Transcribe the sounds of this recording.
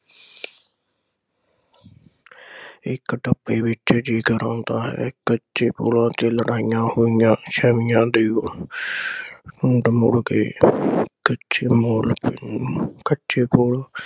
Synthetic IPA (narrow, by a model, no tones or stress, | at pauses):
ɪkːʈəpːeːʋɪt͡ʃd͡ʒiːkəɾãːnd̪aːɦɛ̰ːkətːʃeːpo̰ːlãːt̪eːləɽaːɪjãːhoːɪjãːʃɛːʋɪjãːd̪eːo | ʊɳɖmʊɽkeː | kət͡ʃʰeːmoːlp | kətːʃʰeːpoːlãː